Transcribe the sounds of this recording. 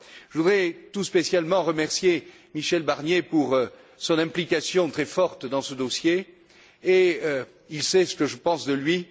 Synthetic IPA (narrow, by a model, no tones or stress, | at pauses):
ʒəvud̪ʁɛt̪uspesjalmɑ̃ʁəmɛʁsje | miʃɛlbaʁnjepuʁ | sɔ̃nɛ̃plikasjɔ̃t̪χɛfɔʁt̪d̪ɑ̃səd̪ɔsjeː | ilsɛsə̥kəʒəpɑ̃sd̪əlɥi